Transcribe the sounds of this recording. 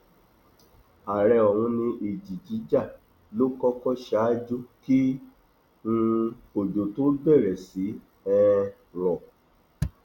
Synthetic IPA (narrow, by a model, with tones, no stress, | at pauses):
a˨ɾɛ˧ɔ˨hũ˧nĩ˧ʔi˨d͡ʒi˨d͡ʒi˨˦d͡ʒa˦˨ | lo˦kɔ˦kɔ˦ʃa˨˦d͡ʒu˦ki˦ | ŋũ˧ | o˨d͡ʒo˨to˦ɡ͡bɛ˦˨ɾɛ˨si˨˦ | ɛ˦˧ | lɔ˨